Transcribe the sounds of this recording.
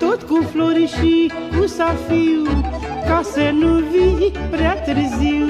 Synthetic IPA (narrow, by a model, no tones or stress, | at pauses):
t̪od̪kõfloɾiʃi | usafi | kasenuvipɾɛt̪ɾizi